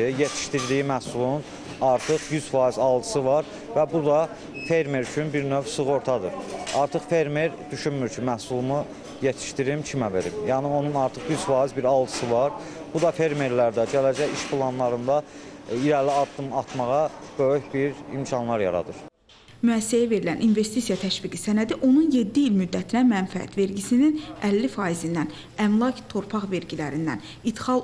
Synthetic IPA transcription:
ijet̪ʰi̥ʃt̪iɾd̪ijimæsulˠnun | ɑɾt̪ʰɯχjyz̥fɑːizɑlˠd̪ɯsɯvɑɾ | væbud̪ɑ | fe̞ɾmeɾyt͡ʃʰynbiɾnøvsɯɣo̞ɾt̪ʰɑd̪ɯɾɑɾt̪ʰɯχfe̞ɾmeɾd̪yʃynmyɾcʰimæhsulˠmu | jet̪ʰi̥ʃt̪iɾimcʰimæve̞ɾḭmjæːnio̞nunɑɾt̪ʰɯχjyzfɑːizbiɾɑlˠd̪ɯ̥sɯvɑɾ | b̥ud̪ɑfe̞ɾme̞ɾlæɾd̪æd͡ʒælæd͡ʒæjiʃpʰlˠɑnlˠɑɾɯnd̪ɑiɾæliɑd̪ːɯmɑt̪mɑʁɑb̥øyçbiɾḭmcʰɑnlˠɑɾjɑ̰ɾɑ̰d̪ɯɾ | myæsːæjæve̞ɾilænʔinve̞st̪isijɑt̪ʰæʃviɡisænæd̪iʔo̞nunje̞d̪ːiilmyd̪ːæt̪ʰinæmænfææ̰t̪ve̞ɾɟisininælːifɑːizind̪æn | æmlˠɑct̪ʰo̞ɾpʰɑχve̞ɾɟilæɾind̪æn | it̪χɑlˠ

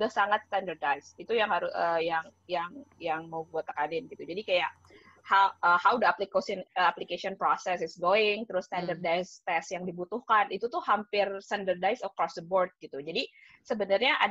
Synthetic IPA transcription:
dahsaŋat̪st̪andərdajsit̪ujaŋɦaɾʊəjaŋjaŋjaŋmowbuat̪ːakanɪnɡit̪ud͡ʒadikajaʔ | haʔəhawd̪əaplikosnəaplikesiɔnpɾosɛsɪsɡoɪŋt̪əɾʊst̪andərdajst̪ɛsjaŋdibut̪ʊhkanit̪ut̪ʊhhampɪrst̪andərdajsəkɾɔsdəbord̪̚ɡit̪ud͡ʒadi | səbənarɲaʔa̰

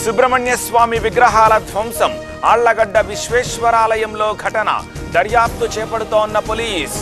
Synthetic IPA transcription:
subɾɐmɐɳjɐsʋaːmiʋiɡɾɐɦaːlɐd̪ʱʋɐmsɐm | aːɭːɐɡɐɖːɐʋiʃʋeːʃʋɐɾaːlɐjɐmlo̞ːɡʱɐʈɐnɐ̰ | d̪ɐɾjaːp̚t̪ut͡ʃɛːpɐɽut̪oːnːɐpoːliːs

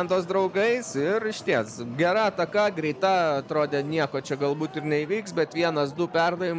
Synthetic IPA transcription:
nd̪oːs̬d̪ɾɐʊɡɐɪsɪɾɪʃʲt̪ʲiɛsɡʲæɾɐɐt̪ɐkɐɡɾʲɛɪt̪ɐɐt̪ɾoːd̪ʲɛːnʲiɛkoːt͡ʃʲɛɡɐlˠbuːt̪ɪrnʲɛiʋʲiːksbʲɛt̪ʋʲiɛnɐsd̪ʊpʲɛrd̪ɐʋʲɪm

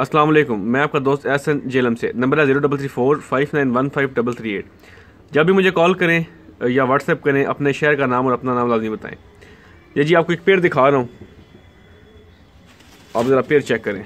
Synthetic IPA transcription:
ɐslaːmɐleːkʊmːɛ̃ːaːp̚kad̪oːst̪ɛːsənd͡ʒeːləmsḛnɐ̃mbəɾɛziːɾoɖɐbəlt̪ʰɾiːfʰoːɾfaːɪʋnaːɪnʋɐnfʰaːɪʋɖɐbəlt̪ʰɾiːḛːʈ̚ | d͡ʒɐbʱimʊd͡ʒʱekɔːlkɐɾẽ | jaʋɐɖsɛːp̚kɐɾẽʔɐ̰pneʃeːəɾkanaːmɔːɾɐpnanaːmlaːznĩbɐt̪a̰ːḛ̃ː | jaːd͡ʒiːaːp̚koeːk̚peːɾd̪ɪkʰaːɾɐɦõː | a̰ːbzəɾapeːɾt͡ʃɛkːɐɾẽː

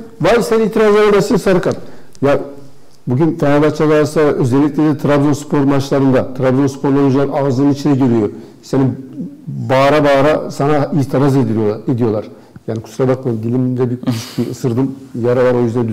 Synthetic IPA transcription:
vajsɛniiːt̪ʰiɾazelab̪asinsaɾɯkʰat̪ | ja | buɟynfʰenabat͡ʃʰaɡaɾsaøzɛlːʲic̚lʲed̪ɛt̪ʰɾabzo̞nspʰo̞ɾmat͡ʃlˠaɾɯnd̪at̪ʰɾabzo̞nspʰo̞ɾlˠanud͡ʒˠanaːzlˠɯnɯnit͡ʃʰind̪ɛɟeɾijo | senim | baːɾabaːɾasanait̪ʰiɾaze̞d̪ilɾijo̞lˠaɾed̪ijo̞lˠaɾ̥ | jaːnikʰu̥suɾabak̚maɯmd̪ilʲimd̪ɛbiyiʃbiɯsɯɾd̪ɯmjaɾavˠaɾo̞jyzd̪ænd̪

